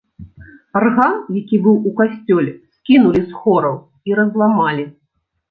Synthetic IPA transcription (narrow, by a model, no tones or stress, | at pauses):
arɣanjakʲibɨwukasʲt͡sʲɔlʲɛskʲinulʲisxɔɾɐw | iɾɐzlˠamalʲi